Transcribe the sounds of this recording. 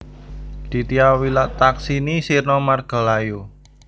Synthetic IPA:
d̪̥i̤t̪iawilaʔt̪aksinisirnɔmarɡ̥a̤lajo

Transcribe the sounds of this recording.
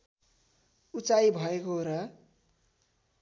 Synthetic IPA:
ut͡sajbʱʌekoɾʌ

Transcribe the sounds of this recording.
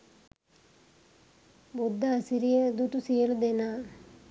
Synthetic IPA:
bud̪ʱːɐːsiɾijəd̪uʈusijəlud̪enaː

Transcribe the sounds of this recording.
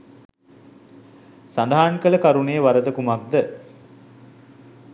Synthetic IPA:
sand̪aɦaːnkələkaɾunejəʋaɾəd̪əkumak̚d̪ə

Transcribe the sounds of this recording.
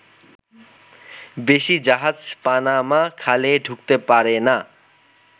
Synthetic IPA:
beʃid͡ʑaɦad͡ʑpanamakʰaleɖʱukt̪epaɾena

